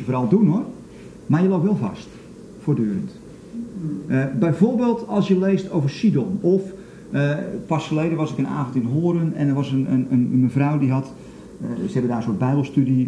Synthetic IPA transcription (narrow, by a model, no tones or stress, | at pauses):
əvoːɾɑlˠdunor | marjəlowp̚tʋɛlˠvɑ̰st | foːrdyːəɾə̰nt | bɛjvorbeːlˠtɑlˠsjəlejstowvərsidɔnɔf | pɑsfərlejdənʋɑsɪkəna̰ːvəntɪnɦoːəɾənɛ̰ndərʋɑsənənənməvrɔwdiɦɑt | səɦɛbəndaːənsoːd̚bɛjbəlˠstydi